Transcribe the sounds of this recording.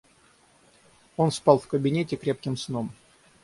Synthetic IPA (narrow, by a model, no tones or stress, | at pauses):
o̞nspɑlˠfkəbʲɪnʲetʲɪkɾʲe̞pkʲɪmsnom